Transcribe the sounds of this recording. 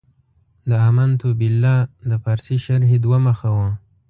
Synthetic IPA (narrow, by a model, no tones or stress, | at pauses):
d̪əamant̪ubilːɑd̪əfaɾsiʃaɾɦed̪waməxawa